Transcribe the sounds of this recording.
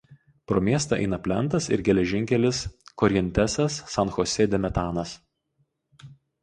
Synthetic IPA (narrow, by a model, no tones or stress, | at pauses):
pɾoːmʲiɛst̪ɐˑʔɛ̰ɪnɐpʲlʲɛnˑt̪ɐsɪ̰ɾɡʲɛlʲɛʒʲɪŋʲkʲɛlʲɪskɔɾʲɛnʲt̪ʲæsʲɛsːɐnxɔsʲeːd̪ʲɛmʲɛt̪ɑːnɐs